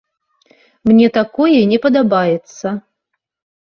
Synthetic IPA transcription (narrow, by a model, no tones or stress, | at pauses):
mnʲɛt̪akɔjɛnʲɛpɐd̪abajɛt̪sɐ